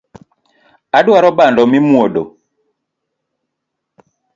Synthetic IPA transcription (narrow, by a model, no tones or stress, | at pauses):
aɗwaɾɔbandɔmimuɔɗo